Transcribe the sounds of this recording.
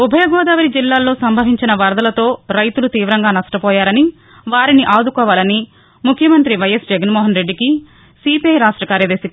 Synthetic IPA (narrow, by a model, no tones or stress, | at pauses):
ubʱɐjɐɡɔːd̪aːʋɐɾid͡ʒilːaːlːo̞ːsɐmbʱɐʋiɲt͡ʃinɐʋɐɾd̪ɐlɐt̪o̞ːɾɐjt̪ulut̪iːʋɾɐŋɡaːnɐʂʈɐpɔːjaːɾɐni | ʋaːɾiniʔaːd̪ukɔːʋaːlɐni | mukʰjɐmɐnt̪ɾiʋɐjɐsd͡ʒɛɡɐnmɔːɦɐnɾe̞ɖːiki | siːpiɐjɾaːʂʈɾɐkaːɾjɐd̪eːsik